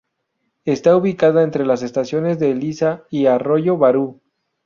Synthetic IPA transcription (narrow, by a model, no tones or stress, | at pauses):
e̞st̪auβikaðaent̪ɾe̞lase̞st̪asjo̞ne̞zðe̞lisaiaro̞ʝo̞βaɾu